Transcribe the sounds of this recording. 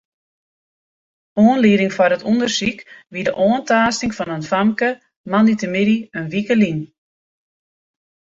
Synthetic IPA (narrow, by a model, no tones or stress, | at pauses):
oːənliːdɪŋfɔrətundərsikʋidəʔoːəntaːstɪŋfɔnənfamkə | manitəmɪdiənʋikəlin